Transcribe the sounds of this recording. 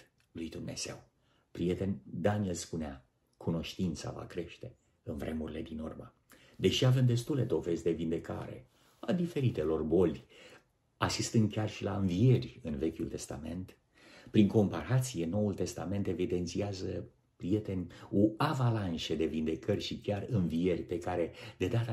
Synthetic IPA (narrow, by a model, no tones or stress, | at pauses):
lujd̪umne̞̰z̥e̞̰w | pɾie̞t̪e̞nʲd̪anielspunea | kuno̞ʃt̪int̪sa̰va̰kɾe̞ʃt̪e̞ | ɨnvɾʔe̞muɾile̞d̪inurmə | d̪e̞ʃiave̞md̪e̞st̪ule̞d̪o̞ve̞zd̪e̞vind̪e̞ka̰ɾe̞̰ | ad̪ife̞ɾit̪e̞lo̞rbo̞lʲ | asist̪ɨnd̪̚kʲarʃilaɨnvie̞rʲɨnve̞kʲult̪e̞st̪a̰me̞̰nt̪ | pɾiŋko̞mpaɾat̪sije̞no̞ult̪e̞st̪ame̞nt̪e̞vid̪e̞nt̪siazə | pɾije̞t̪e̞nʲuavalanʃed̪e̞vind̪e̞kʰərʲʃikʲarɨnvie̞rʲpe̞kaɾe̞d̪e̞d̪at̪a